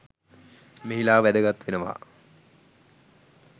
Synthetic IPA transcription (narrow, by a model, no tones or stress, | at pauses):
meɦilaːʋæd̪əɡat̪ʋenəʋa̰